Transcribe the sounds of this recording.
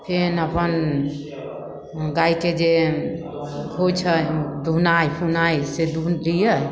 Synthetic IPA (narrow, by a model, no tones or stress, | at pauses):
pʰenəpən | ɡaiked͡ʒe | ɡʱot͡ʃʰəd̪ʱunajpʰunajsed̪ʱunlijə